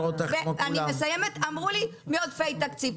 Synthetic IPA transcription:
ot̪aeanimesajemet̪amʁulimeod̪fejt̪akt͡siv

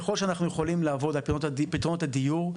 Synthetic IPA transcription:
χo̞lʃeanaχnujeχolimlaːvo̞d̪apit̪ʁont̪ad̪ijuʁ

